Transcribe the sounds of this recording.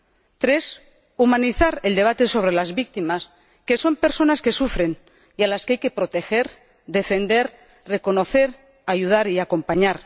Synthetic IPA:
t̪ɾe̞s | umãniθaɾeld̪e̞β̞at̪e̞so̞β̞ɾe̞lazβik̚t̪imas | ke̞so̞mpe̞ɾso̞naske̞sufɾe̞n | ialaskeajke̞pɾo̞t̪e̞xe̞ɾ | d̪e̞fe̞nd̪e̞ɾ | re̞ko̞no̞θe̞ɾ | ajuð̞aɾiako̞mpaɲaɾ

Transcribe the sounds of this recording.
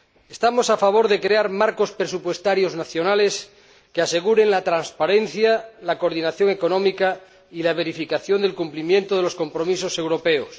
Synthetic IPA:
est̪amo̞safaβ̞o̞ɾðe̞kɾeaɾmaɾko̞spɾesupwe̞st̪aɾjo̞znaθjo̞nale̞s | kease̞ɣuɾe̞ŋlat̪ɾanspaɾen̟θjalakoɾðinaθjo̞ŋe̞ko̞nomika | ilaβ̞eɾifikaθjo̞nd̪e̞lkumplimjẽ̞nt̪oð̞e̞losko̞mpɾo̞misose̞wɾo̞peos

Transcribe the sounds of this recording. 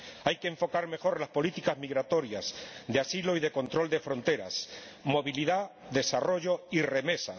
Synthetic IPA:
ajkeːɱfo̞kaɾme̞xo̞ɾlaspo̞lit̪ikazmiɣɾat̪o̞ɾjasðeasilo̞iðe̞ko̞nt̪ɾo̞ld̪e̞fɾo̞nt̪e̞ɾa̰smo̞βiliða | ðe̞saro̞ʝo̞ire̞me̞sa

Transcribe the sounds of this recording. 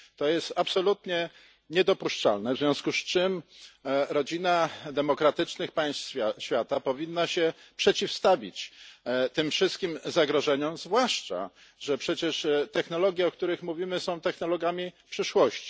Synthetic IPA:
t̪ɔjɛst̪apsɔlut̪ɲɛ | ɲɛd̪ɔpuʂt͡ʂa̰lnɛvzvʲjɔ̃w̃skust͡ʂɘm | ɾɔd͡ʑinad̪ɛmɔkɾat̪ɘt͡ʂnɘxpãj̃st̪ʲjaɕfʲjat̪apɔvʲinːaɕɛpʂɛt͡ɕifst̪avʲḭt͡ɕt̪ɘmfʂɘst̪̚kʲimzaɡɾɔʐɛɲɔmzvwaʂt͡ʂa̰ | ʐɛpʂɛt͡ɕɛʂt̪ɛxn̪ɔlɔɡʲjɛɔkt̪uɾɘxmuvʲimɘsɔ̃w̃t̪ɛxnɔlɔɡamʲipʂɘʂwɔɕt͡ɕi̥

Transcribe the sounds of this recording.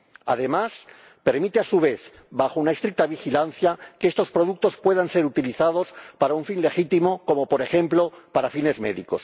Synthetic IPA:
a̰ðe̞mas | pe̞ɾmit̪easuβ̞e̞θ | βaxounaest̪ɾik̚t̪aβ̞ixilanθjakeest̪o̞spɾo̞ð̞uk̚t̪o̞spwe̞ðanse̞ɾut̪iliθað̞o̞spaɾauɱfinle̞xit̪imoko̞mo̞po̞ɾe̞xe̞mplo̞paɾafine̞zmḛðḭko̞̰s

